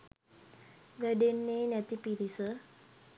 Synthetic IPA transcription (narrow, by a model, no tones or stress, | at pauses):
ʋəɖenːeːnæt̪ipiɾisə